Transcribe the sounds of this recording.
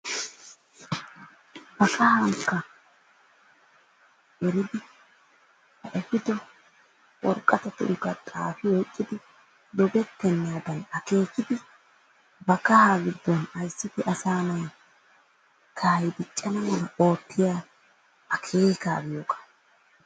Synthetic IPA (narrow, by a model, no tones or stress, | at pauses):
bɐkɐhɐŋkːɐ | ʔɛɾɪd̪ɪ | hɐʔɛfɪd̪ɔ | wɔ̰ɾkʼːɐt̪ɛt̪ːɪʊ̰ɡːɐt̪ʼaːfɪwɔjkʼːɪd̪ɪ | d̪ɔbɛt̪ːɛnːɪjad̪ɐnɐke̞ːkːɪd̪ɪ | bɐkɐhaːɡɪd̪ːɔnɐjsːɪt̪ɪʔɐsaːnɐj | kʰaːjd̪ɪt͡ʃʼːɐnɐmɔnɐo̞ːt̪ːɪjaː | ɐkʰeːka̰ːbɪjoːkʼḁ